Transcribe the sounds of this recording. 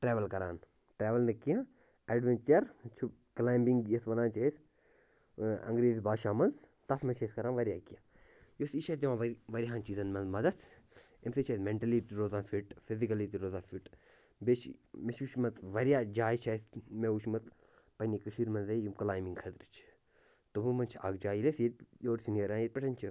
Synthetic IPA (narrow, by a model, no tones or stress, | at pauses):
ʈɾeːʋɐlkɐɾa̰ːn | ʈɾeːʋɐlnɐkijãː | ɐɖʋent͡ʃɐɾt͡ʃʰu | kɐlaːjmbiŋɡjɐsʋɐnãːnt͡ʃɐis | ɐ̰ŋɡɾeːzbaːʃaːmɐnz | t̪ɐsmet͡ʃʰɐskɐɾaːnʋɐɾʲijaːkijãː | josit͡ʃʰɐt̪d͡ʒɐʋãːʋɐʋɐɾʲiɦãːnt͡ʃiːzɐnmɐnzmɐd̪ɐt̪ʰ | emset͡ʃʰɐsmeɳʈɐlit̪iɾoːzãːfiʈfizikɐlit̪iɾoːzãːfiʈ | bet͡ʃʰmet͡ʃuːʃmɐt̪ʋɐɾjaːd͡ʒaːjt͡ʃʰɐjsmeuʃmɐt̪ʰ | pɐnʲikɐʃiːɾmɐnzɐjumkɐlaːjmbiŋɡkʰɐt̪ɾit͡ʃʰ | t̪omɨmɐnt͡ʃʰa̰ɡd͡ʒaːjlesjetʲjoːʈsʰinijɐɾãːnjet̪̚ʲpʲeʈʰɐnʲt͡ʃʰi